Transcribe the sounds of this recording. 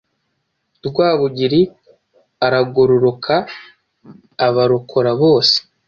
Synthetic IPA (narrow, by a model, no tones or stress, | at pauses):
dɡwaːβuɟiɾi | aɾaɡoɾoɾokʰa | βaɾokʰoɾaβo̞ːse̥